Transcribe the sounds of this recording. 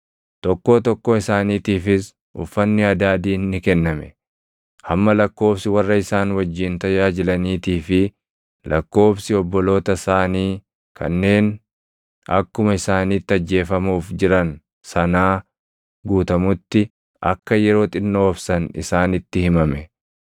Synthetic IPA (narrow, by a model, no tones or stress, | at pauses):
t̪ɔkːo̞ːt̪ɔkːoɪsaːniːt̪iːfɪs | ʔʊ̰fːɐnːɪɐd̪aːd̪iːnːɪkɛnːɐmɛ | hɐmːɐlɐkːo̞ːfsɪwɐrːɐɪsaːnwɐd͡ʒːɪnt̪ɐjaːd͡ʒɪlɐniːt̪iːfɪ | lʔɐkːo̞ːfsɪɔbːɔlo̞ːt̪ɐsaːniː | kʰɐ̰nːe̞ːn | ɐ̰kːʊmɐɪsaːniːt̪ːɪɐd͡ʒːe̞ːfɐmuːfd͡ʒɪɾɐn | sɐnaː | ɡuːt̪ɐmʊt̪ːɪ | ʔɐ̰kːɐjɛɾo̞ːt̪ʼɪnːoːfsɐnɪ̰saːnɪt̪ːɪhɪmɐmɛ